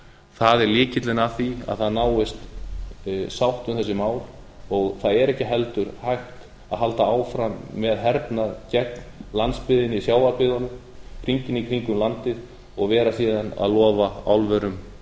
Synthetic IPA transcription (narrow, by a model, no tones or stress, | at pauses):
θaðɛɾlɪːcɪt̪lɪnaθia̰ðθaðnaːwɪst̪ | sawht̪ʏmθɛs̬ːɪmaːwl | ɔɣθaðɛɾɛhcɪɦɛlt̪ʏɾ̥hajht̪ | aðɦalt̪aaːwfɾamːɛðɦɛɾpnaðcɛt̪nlant̪spɪðɪnɪisjaːwvaɾpɪðanːʏm | kʰɾiɲcɪnikʰɾiŋkʏmlant̪ɪð | ɔɣvɛːɾasiːðana̰ðlɔːvaawlvɛɾʏm